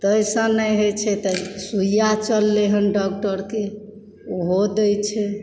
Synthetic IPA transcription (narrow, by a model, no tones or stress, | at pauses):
t̪əjsə̃nəjɦot͡ʃʰɛt̪əsujjat͡ʃəlːeɦənɖɔk̚ʈəɾke | uɦod̪əjt͡ʃʰɛ